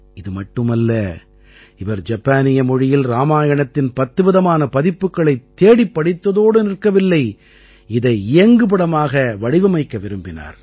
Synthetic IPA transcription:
ɪðɯmɐʈːɯmɐlːɐ | ɪʋɐɾd͡ʒɐpːaːnɪjɐmɔɻɪjɪlɾaːmaːjɐɳɐt̪ːɪnpɐt̪ːɯʋɪðɐmaːnɐpɐðɪpːɯkːɐɭɐɪt̪ːeːɽɪpːɐɽɪt̪ːɐðoːɽɯnɪrkːɐʋɪlːɐɪ | ɪðɐɪɪjɐŋɡɯp̬ɐɽɐmaːɣɐʋɐɻɪʋɐmɐɪkːɐʋɪɾɯmbɪna̰ːɾ

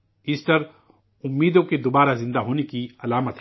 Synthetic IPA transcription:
iːsʈɐɾ | ʊmːiːd̪õked̪oːbaːɾazɪ̃nd̪aɦoːnekiɐlaːmət̪ɦ

